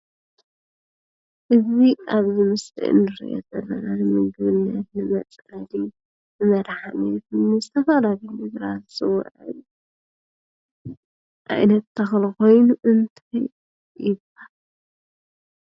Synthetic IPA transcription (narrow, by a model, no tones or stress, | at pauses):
ʔɨziaβzimɨsḭʔɨ̰nːɨɾḭʔo̰zɐlːɐnanɨmɨɡɨβɨnːɐt̪̚nɨmɐt͡sʼɐli | nɨmɐd̪ħanijfɨnːizɨt̪ʰɐfalalimɨzɾazsɨw̰ʕɨ̰j | ʔa̰jnɐt̪ːʰɐxlxo̞jnuʔɨnt̪ʰaj | jɪb | al